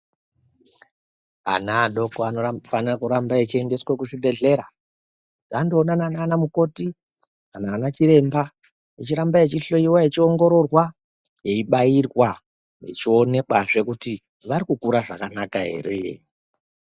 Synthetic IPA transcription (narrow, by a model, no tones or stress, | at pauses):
a̰naːɗo̞koanofanirakuɾambaet͡ʃie̞nde̞swekuʐibʱe̞ɮe̞ɾa | ɡandoːnananaːnamuko̞ti | kanaːnat͡ʃiɾe̞mba | jet͡ʃiɾambaje̞t͡ʃiɬo̞iwaje̞t͡ʃio̞ŋɡo̞ɾo̞rwa | je̞iɓairwa | je̞̰t͡ʃio̞ne̞kwaʐe̞kuti | ʋaɾikukuɾaʐa̰kanakaɦe̞̰ːɾe̞̰